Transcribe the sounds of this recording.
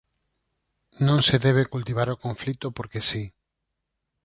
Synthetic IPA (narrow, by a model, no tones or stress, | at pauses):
nõŋseðɛβ̞ekult̪iβ̞aɾokõɱflit̪opoɾkesi